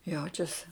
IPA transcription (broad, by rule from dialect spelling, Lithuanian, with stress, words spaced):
ˈjɛʊt͡ʃʲɛsʲɪ